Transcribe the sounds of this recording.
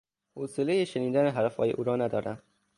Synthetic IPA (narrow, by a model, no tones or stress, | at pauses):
hoselejeʃeniːd̪æneɦæɾfhɒ̰ːjeʔuːɾɒːnæd̪ɒːɾæm